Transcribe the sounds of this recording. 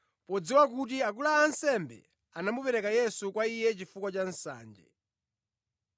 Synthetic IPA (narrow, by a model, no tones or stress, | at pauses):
pɔd͡ziwak̬ut̬iak̬ulaːnsɛmbɛ̰ | anamupɛɾɛkajɛsukwaijɛt͡ʃifukwat͡ʃan̩sa̰ːnd͡ʒɛ̰